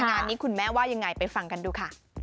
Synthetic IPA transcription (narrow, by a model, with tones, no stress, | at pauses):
na˨˩niː˦˥kʰu˧nmɛː˦˥waː˥˩ja˧ŋːa˧jpa˧jfa˧ŋka˧nduː˧kʰa˥˩